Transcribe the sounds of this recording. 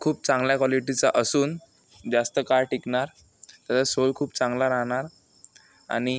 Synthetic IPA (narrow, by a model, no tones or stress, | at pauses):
kʰuːp̚t͡sãŋɡljakʋɔliʈit͡saʔəsuːn | d͡zast̪əkajʈikɳaɾ | t̪jat͡sasolkʰuːp̚t͡sãŋɡlaɾaɦɳaɾ | a̰ɽ̃i